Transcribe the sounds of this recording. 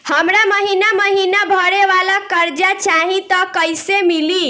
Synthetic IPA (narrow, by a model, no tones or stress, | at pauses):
həmɾaməɦinaməɦinabʱəɽeʋalakəɾd͡ʒat͡ʃaɦĩt̪ɔkəjsemili